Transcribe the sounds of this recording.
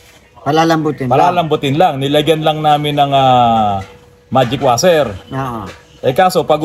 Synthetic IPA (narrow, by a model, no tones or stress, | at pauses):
pɐlalɐmbʊt̪ɪnpɐlaːlɐmbʊt̪ɪnlaŋnɪlɐɡjɐnlaŋnaːmɪnːɐŋaː | maːd͡ʒɪkwaːsɛɾoʔo | ʔɐjkaːsopɐɡ